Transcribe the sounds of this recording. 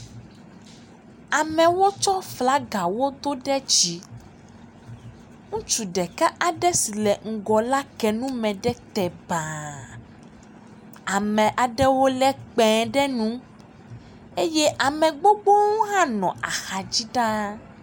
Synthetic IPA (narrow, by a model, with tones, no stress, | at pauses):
a˨mɛ̃˨wo˦t͡ʃɔ˦fla˨˦ɡa˨wo˦d̪o˦ɖɛ˦d͡ʒi˦ | ŋũ˦t͡ʃu˨ɖɛ˨ka˦ʔa˨ɖɛ˦si˨lɛ˨ŋ̩˨ɡɔ˨la˦kɛ˨nũ˦mɛ̃˨ɖɛ˦t̪ɛ˨ba˨ | a˨mɛ̃˨ʔa˨ɖɛ˦wo˦lɛ˦k͡pɛ̃˨ɖɛ˦nũ˦ | e˦jɛ˦ʔa˨mɛ̃˨ɡ͡bo˦ɡ͡bo˦ŋũ˦ɦã˦nɔ̰̃˨ʔa˨xa˨d͡ʑi˦ɖa˦